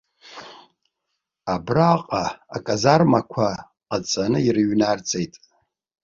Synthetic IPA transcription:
abraqʼaakʼazarmakʷʰa | qat͡sʼanɨirɨɥnart͡sʼejtʼ

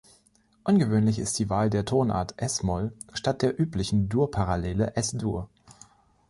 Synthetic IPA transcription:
ʔʊnɡəvøːnlɪçɪ̰st̚d̥iːvaːldeːɐtʰoːnʔa̰ɐtʰʔɛsmɔlʃtat̚d̥eːɐʔyːplɪçn̩duːɐpʰaʁaleːləʔɛsd̥uːɐ

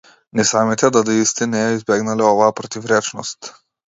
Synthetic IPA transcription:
nɛsamit̪ɛd̪ad̪iist̪ɛnɛɛizbɛɡnalɛɔvaapɾɔt̪ivɾɛt͡ʃnɔ̰st̪

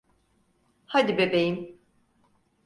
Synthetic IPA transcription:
had̪ibebejim

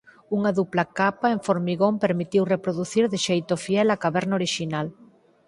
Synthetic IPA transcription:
uŋaðuplakapaeɱfoɾmiɣompeɾmit̪iwrepɾoðuθiɾðɪʃejt̪ofiɛlakaβɛɾnaoɾiʃinal

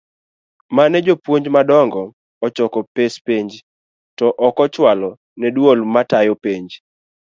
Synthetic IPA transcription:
manɛd͡ʒopwoɲd͡ʒmadɔŋɡɔ | ɔt͡ʃɔkɔpespeɲd͡ʒ | tɔʔɔkɔt͡ʃwalɔ | nɛdwolmatajopeɲd͡ʒ

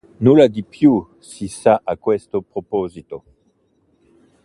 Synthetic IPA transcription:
nulad̪ipju | sisaʔakwɛst̪opʁopozit̪o

